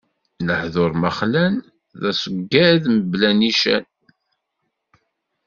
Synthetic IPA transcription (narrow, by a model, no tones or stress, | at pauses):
ləhðoɾməχlæn | ðæsəɡːæðməblæniʃæ̰n